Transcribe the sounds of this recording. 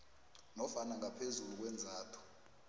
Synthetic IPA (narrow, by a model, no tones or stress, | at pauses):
nɔfanaŋapʰezuluk̬wɛnd͡zʱaːtʰɔ̥